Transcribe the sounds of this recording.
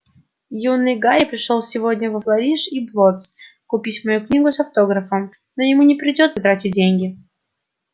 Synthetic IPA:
junːɨjɡaɾʲɪpɾʲɪʂolˠsʲɪvo̞dʲnʲəvəflˠɐɾʲiʂiblˠot̪s | kʊpʲitʲmɐjuknʲiɡʊsɐft̪o̞ɡɾəfəm | nojɪmunʲɪpɾʲɪdʲo̞t̪sət̪ɾatʲit̚ʲdʲenʲɡʲɪ

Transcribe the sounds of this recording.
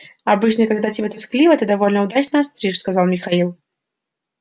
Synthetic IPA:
ɐbɨt͡ɕnəkaɡd̪atʲɪbʲet̪ɐsklʲivət̪ɨd̪ɐvolʲnəʊd̪at͡ɕnəɐst̪ɾʲiʂskɐzalˠmʲɪxɐilˠ

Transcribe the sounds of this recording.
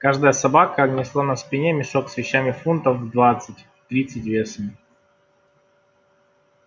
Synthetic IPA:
kaʐd̪əjəsɐbakənʲɪslˠanɐspʲɪnʲemʲɪʂoksvʲɪɕːamʲɪfunt̪əfvd̪vat̪sɨtʲ | t̪ɾʲit̪sɨtʲvʲesəmʲ

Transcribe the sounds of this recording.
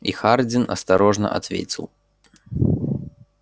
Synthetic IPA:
ixard͡zʲinɐ̰st̪aɾɔʐnɐ̰ʔa̰t̪vʲḛt͡sʲilˠ

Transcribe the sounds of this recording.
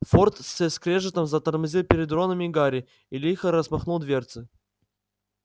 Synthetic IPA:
fort̪sʲeskɾʲeʐɨt̪əmzət̪ərmɨzʲilˠpʲɪɾʲɪd̪ro̞nəmʲɪɡaɾʲɪ | ɪlʲixəɾəsmɐxnulˠd̪vʲert̪sɨ

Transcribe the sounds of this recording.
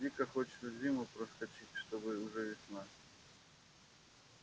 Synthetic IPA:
dʲikəxot͡ɕɪ̥t̪səzʲimʊpɾəskɐt͡ɕitʲʂt̪obɨʊʐɛvʲɪsʲna

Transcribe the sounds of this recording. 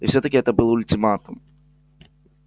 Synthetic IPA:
iwsʲɔt̪ɐkʲiɛt̪ɐbɨlˠɐulʲt̪ʲɨmat̪um

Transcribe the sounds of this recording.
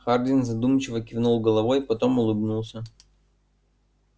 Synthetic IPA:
xard̪ʲɪnzɐd̪umt͡ɕɪvəkʲɪvnulˠɡəlˠɐvojpɐt̪o̞mʊlˠɨbnulˠsʲə

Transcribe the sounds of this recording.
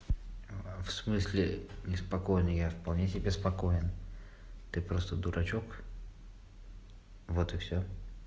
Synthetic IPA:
fsmɨsʲlʲɪnʲɪspɐkojnɨjafpɐlˠnʲesʲɪbʲespɐkojɪn | t̪ɨpɾost̪əd̪ʊɾʔɐt͡ɕok | vot̪ɨksʲo

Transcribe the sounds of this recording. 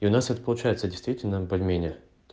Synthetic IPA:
iʊnasɛt̪ə̥pəlˠʊt͡ɕæjɪt̪sədʲɪjst̪vʲitʲɪlʲnəbəlʲmʲenʲɪə | t̪

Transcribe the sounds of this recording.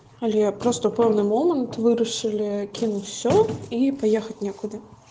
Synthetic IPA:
ɐlʲɛpɾɔst̪əpɛwnɨmɔmənt̪vɨɾɐʂɨlʲɪkʲinutʲfsʲɔipajexɐt̚ʲnʲekʊd̪ɨ

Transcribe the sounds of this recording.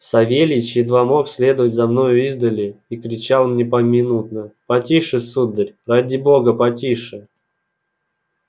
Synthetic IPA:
sɐvʲelʲɪt͡ɕɪd̪vamo̞ksʲlʲe̞d̪əvətʲzɐmno̞jʊizd̪əlʲɪikɾʲɪt͡ɕalˠmnʲɛpəmʲɪnut̪̚nəpɐtʲiʂɨsud̪ːəɾʲradʲɪboɡəpɐtʲiʂɨ

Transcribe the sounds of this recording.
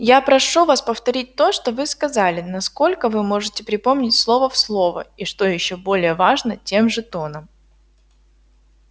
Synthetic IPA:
japɾɐʂuvaspəft̪ɐɾʲit̚ʲt̪o̞ʂt̪ovɨskɐzalʲɪnɐsko̞lʲkəvɨmo̞ʐɨtʲɪpɾʲɪpo̞mnʲɪtʲslˠo̞vəfslˠo̞və̰iʂt̪o̞jɪɕːobo̞lʲɪjəvaʐnətʲemʐɨt̪o̞nəm

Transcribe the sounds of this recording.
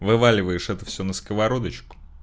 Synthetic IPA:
vɨvalʲɪvəjɪʂɛt̪əfsʲɵnəskəvɐɾo̞d̪ət͡ɕkʊ̥

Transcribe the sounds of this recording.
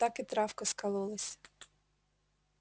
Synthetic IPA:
t̪ɑkɪt̪ɾɑfkɐskɐlˠulˠɐsʲ

